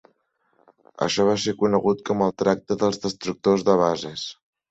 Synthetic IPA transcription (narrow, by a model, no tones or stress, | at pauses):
ə̰ʃɔβ̞asekunəɣut̪kɔməlˠt̪ɾak̚t̪əðəlˠzðəst̪ɾuk̚t̪ozðəβ̞azəs